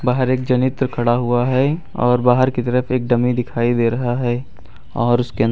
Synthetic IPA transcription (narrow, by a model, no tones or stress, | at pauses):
baːɦəɾeːk̚d͡ʒɐnɪt̪ɾəkʰɐɽaɦuaɦɛ | ɔːɾbaːɦəɾkit̪ɐɾəfʰeːk̚ɖɐmid̪ɪkʰaːid̪eːɾɐɦaɦɛː | ɔːɾʊskeə̃n